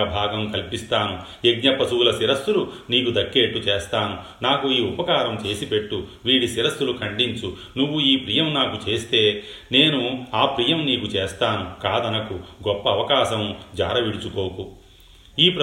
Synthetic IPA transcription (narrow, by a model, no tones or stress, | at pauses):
ɐbʱaːɡɐmkɐlpist̪aːnu | eɡɲɐpɐsuːlɐsiɾɐsːulu | niːkud̪ɐkːe̞ːʈːut͡ʃeːst̪aːnu | naːkuiːupɐkaːɾɐmt͡ʃe̞ːsipe̞ʈːuʋiːɽisiɾɐsːulukʰɐɳɖiɲt͡ʃu | nuʋːuiːpɾijɐmnaːkut͡ʃe̞ːst̪e̞ː | ne̞ːnuaːpɾijɐmniːkut͡ʃeːst̪aːnukaːd̪ɐnɐkuɡɔpːɐːʋɐkaːʃɐmd͡ʒa̰ːɾɐʋiɽut͡ʃuko̞ːku | iːpɾɐ